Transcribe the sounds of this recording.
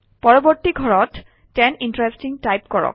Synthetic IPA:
pɔɹɔbɔɹt̪iɡʱɔɹɔtː | ɛnintɹestiŋtajpkɔɹɔ̰k̚

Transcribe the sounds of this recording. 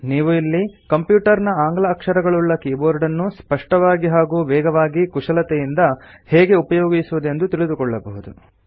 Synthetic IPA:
niːʋuilːikɐmpjuːʈɐɾnɐaːŋɡlɐːkʂɐɾɐɡɐɭuɭːɐkiːboːɾɖɐnːuspɐʂʈɐʋaːɡiɦaːɡuːʋɛːɡɐʋaːɡikuʂɐlɐt̪ɛjind̪ɐ | hɛːɡe̞upɐjoːɡisuʋud̪e̞nd̪ut̪iɭid̪ukɔɭːɐbɐɦud̪u

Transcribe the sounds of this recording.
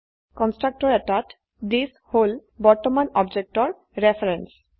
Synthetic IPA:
kɔnsʈɾak̚ʈɔɾɛʈaʈ | d̪is | holbɔɾt̪omanɔbd͡ʑek̚ʈɔɾ | ɾefʰaɾens

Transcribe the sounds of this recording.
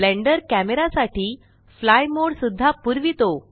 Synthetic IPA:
lẽɳɖəɾkæmeɾasaʈiː | flajmoɽsud̪ʱːapuɾʋit̪o

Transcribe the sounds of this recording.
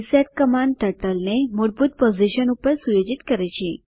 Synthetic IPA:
sat̪̚kəmant̪əʈəlnemoɽbʱuːt̪̚pod͡ziɕənupəɾsujod͡ʑit̪kəɾajt͡ɕi

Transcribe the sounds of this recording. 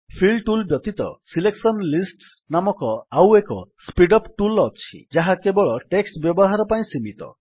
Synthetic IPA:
pʰiɭɖʈulbjɔt̪it̪ɔ̰sileksɔnlisʈs | namɔkɔawekɔspiɖɔpʈulɔt͡ʃʰḭd͡ʒaɦakebɔɭɔʈeksʈbjɔbɔɦaɾɔpaĩsimit̪ɔ̰

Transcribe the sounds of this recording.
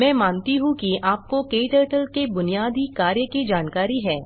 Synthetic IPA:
mɛ̃ːmãːnt̪iɦũkiaːp̚kokeːʈəːʈəlkebʊnijaːd̪ikaːɾjəkid͡ʒaːnkaːɾiɦɛː

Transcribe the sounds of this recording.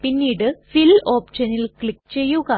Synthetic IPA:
pinːiːɽɨfiloːpɕɐnilkɭikːt͡ɕe̞jːuɣɐ

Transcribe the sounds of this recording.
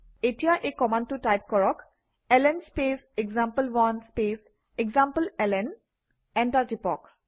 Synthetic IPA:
etijaʔekɔmantutajp̚kɔɹɔk | ɛlɛnspes | eɡzampəlwanspes | eɡzampəlɛlɛn | ɛ̃ntaɹtipɔ̰k

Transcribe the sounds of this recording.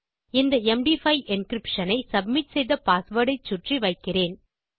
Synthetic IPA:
ɪnd̪ɐɛmɖifɐɪʔɪnkɾɪpʂɐnɐɪsɐbmɪʈsɛjðɐpaːsʋɐɽɐɪt͡ʃːʊʈriʋɐɪkːɪreːn

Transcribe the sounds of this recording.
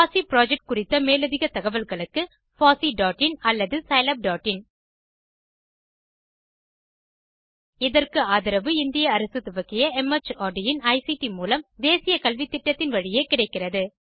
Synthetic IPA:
faːsipɪɾaːd͡ʒɛk̚ʈ̚kʊrɪt̪ːɐmeːlɐðɪɣɐt̪ːɐɣɐʋɐlɣɐɭɯkːɯ | faːsiɖaːʈːɪnɐlːɐðɯsɐɪlɐp̚ɖaːʈːɪn | ɪðɐrkɯaːðɪɾɐʋɯɪnd̪ɪjɐːɾɐsɯt̪ːɯʋɐɣɪjɐɛmɐt͡ʃaːɖɪjɪnɐɪsiʈimuːlɐmd̪eːsɪjɐkɐlʋɪt̪ːɪʈːɐt̪ːɪnʋɐɻɪjeːkɪɽɐɪkːɪrɐðɯ

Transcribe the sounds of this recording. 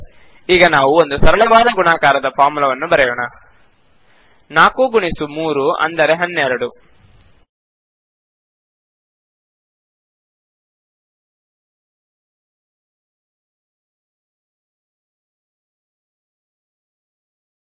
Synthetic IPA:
iːɡɐnaːʋuond̪usɐɾɐlɐʋaːd̪ɐɡunaːkaːɾɐd̪ɐpʰaːmulɐʋɐnːubɐɾɛjoːɳɐ | naːkuɡuɳisumuːɾuɐ̰nd̪ɐɾe̞ɦɐnːɛɾɐɽu

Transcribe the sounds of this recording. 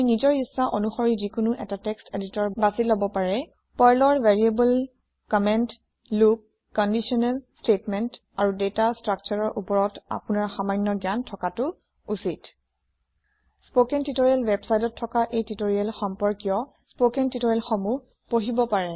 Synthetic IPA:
nizɔɹisːaʔonuxɔɹizikunuʔɛtatɛksteditɔɹbasilobɔpaɹɛ | pɔjlɔɹvɛɹiebul | kɔmɛntː | uk̚ | kɔndisiɔnɛlstetmɛnt | aɹudetastɹak̚t͡ʃɔɹɔɹʔupɔɹɔta̰pʊnaɹxamajnːɔɡantʰɔkatʊ | usit | spokɛntitoɹialwɛbsajdɔtʰːɔkaʔejtitoɹiɛlxɔmpɔɹkijɔ | spokɛntitoɹɛlxɔmu | poɦibɔpaɹɛ

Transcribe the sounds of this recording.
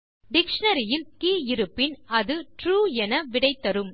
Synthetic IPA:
ɖɪkʂɐnɐɾɪjɪlkiːɪɾɯpːɪnɐðɯʈɾuːɛnɐʋɪɽɐɪt̪ːɐɾɯm

